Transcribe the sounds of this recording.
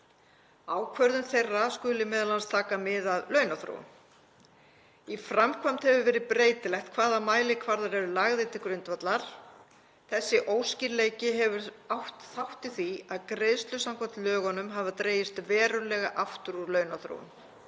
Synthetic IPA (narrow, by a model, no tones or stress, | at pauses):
aːwkʰvœɾðʏnθejrːaskʏlɪmɛːðalanst̪ʰaːkamɪðaðlœɥnaθɾo̰wʏ̰m | ifɾamkʰvam̥t̪hɛvʏvɛːɾɪpɾeːjt̪ɪlɛxt̪̚kʰvaːðamaːjlɪkʰvaɾðaɾɛɾʏlaɣðɪt̪ʰɪkɾʏnt̪vat̪laɾ̥ | θɛsːɪʔoːwsciɾleːjcɪɦɛvʏɾ | awht̪θawht̪ɪθiaðkɾeðst̪lʏsamkʰvat̪lœːɣɔnʏmɦavat̪ɾeːjɪst̪vɛːɾʏlɛɣaʔaft̪ʏɾuɾlœːɥnaθɾo̰wʏ̰n